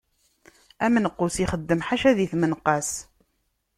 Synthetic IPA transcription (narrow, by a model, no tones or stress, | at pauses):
æmənəqːusiχəd̪ːəmħaʃæðiθmənqɑs